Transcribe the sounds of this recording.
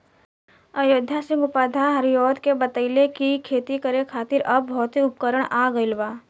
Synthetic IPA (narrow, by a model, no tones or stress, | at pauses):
əjoːd̪ʱjasɪ̃ŋɡʊpaːd̪ʱaɦɐɾjɔːd̪kebɐt̪əɪlekikʰeːt̪ikəɾekʰaːt̪ɪɾʔɐb̚ːɔːt̪ɦiʊp̚kəɾəɽ̃aːɡəilʋaː